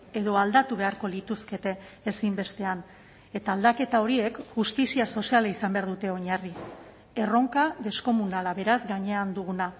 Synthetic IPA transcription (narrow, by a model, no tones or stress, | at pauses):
e̞ðo̞ald̪at̪uβe̞aɾko̞lit̪uske̞t̪e̞ːsimbe̞st̪e̞an | e̞t̪aːld̪ake̞t̪ao̞ɾie̞kʝust̪isiaso̞sialaisambeaɾðut̪e̞o̞ɲari | e̞ro̞ŋkaðe̞sko̞munalaβe̞ɾazɡaɲe̞and̪uɣuna